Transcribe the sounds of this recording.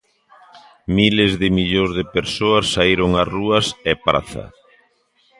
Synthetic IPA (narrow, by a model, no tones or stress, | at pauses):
milezðɪmiʎozðɪpeɾsoasːaiɾoŋaruɐsepɾa̰θɐ̰